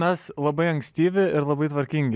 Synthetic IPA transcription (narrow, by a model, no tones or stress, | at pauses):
mʲɛslˠɐbɐɪɐŋksʲt̪ʲiːʋʲɪɪɾlˠɐbɐɪt̪ʋɐɾʲkʲɪŋʲɡʲ